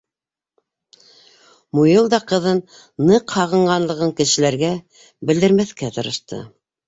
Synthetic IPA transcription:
mujɤlˠd̪ɑqɤ̆ðɤnː | ɤqhɑʁɤ̆ɴɢɑnlˠɤ̆ʁɤŋkɘ̆ʃɘ̆læɾɡæ | bɘ̆ld̪ɘ̆ɾmæθkæt̪ɤ̆ɾɤ̆ʃt̪ɤ̰

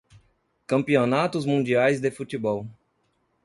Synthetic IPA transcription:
kɐ̃mpionat̪ʊzmũnd͡ʒiajzd̪efut̪ibɔw

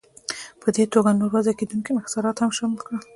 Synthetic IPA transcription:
pʰəd̪et̪oɡanoɾwazaked̪unkimɪxsɑɾɑt̪hamʃamlkɽə

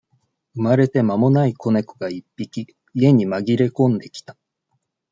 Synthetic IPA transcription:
ɯ̟maɾe̞t̪e̞mamo̞naiko̞ne̞kɯ̥ɡaipːikʲi | ie̞ɲ̟imaɡʲiɾe̞kõ̞nd̪e̞kʲi̥t̪ḁ

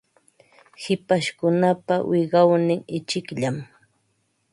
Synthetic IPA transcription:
hɪpaʃkʊnapawʔɪɢɑwnɪŋɪt͡ʃɪkʎam

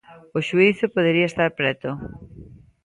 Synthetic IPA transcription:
ʊʃuiθʊpoðeɾiɐest̪aɾpɾɛt̪ʊ

